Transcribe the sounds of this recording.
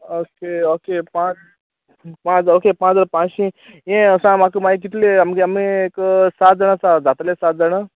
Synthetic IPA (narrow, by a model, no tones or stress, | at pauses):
okeokepã | pãt͡sokepãt͡ʃd͡zə̃ɽpãt͡ʃĩ | jẽəsãmakumaik̬it̪leamɡeamẽksat̪̚d͡zəɽ̃asad͡zat̪lesat̪̚d͡zəɽ̃a